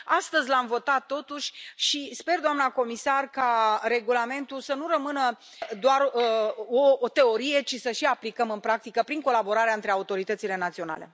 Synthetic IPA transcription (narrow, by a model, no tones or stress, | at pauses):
ast̪əzʲlamvo̞t̪at̪ːo̞t̪uʃʲʃispe̞rd̪oamnako̞misarkaɾe̞ɡulame̞nt̪usənuɾəmɨnə | d̪oar | ot̪e̞o̞ɾije̞t͡ʃisəʃiaplikəmɨnpɾak̚t̪ikəpɾiŋko̞labo̞ɾaɾeaɨnt̪ɾeaut̪o̞ɾit̪ət̪sile̞nat̪sio̞na̰le̞̰